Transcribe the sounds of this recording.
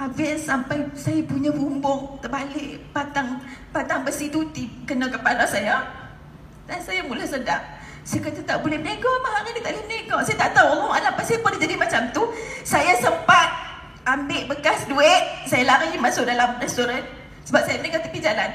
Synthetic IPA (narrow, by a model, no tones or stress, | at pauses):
avɛnsampajsajapuɲavumbʊŋt̪əbalɪʔpat̪aŋpat̪aŋbəsit̪ut̪ikənakəpalasaja | dansajamulahsədaʔ | sajakət̪ət̪aʔbolɛhmənaɡapaɦaɾinit̪aʔblɛhmənaɡasajat̪aʔt̪awlɔwalapaʔsajabulɛhd͡ʒadimat͡ʃamt̪usajasəmpat̪̚ | ambɪʔbəkasduɪʔ̚sajalaɾimasʊʔ̚dalamrɛst̪uɾɛn | səbap̚sajamənaɡat̪ipid͡ʒalan